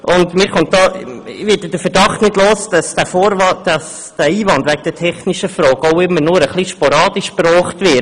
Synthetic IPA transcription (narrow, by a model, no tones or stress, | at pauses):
ʔʊndmɪːɾχʊnt̚dɑːvɪdəd̥əfəɾd̥ɑχtnɪdloːsd̥ɑsd̥æfoɾd̥ɑs | d̥æiːvɑndʋæɡ̚əd̥ətʰɛχniʃəfɾɔːɡɔʊɪmːəɾnʊːɾəχliʃpoɾɑːd̥iʃpɾɔːχtvɪ